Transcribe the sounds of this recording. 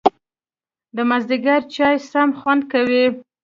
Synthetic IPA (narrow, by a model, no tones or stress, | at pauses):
d̪əmazd̪ɪɡaɾt͡ʃɑjsamxwand̪̚kawi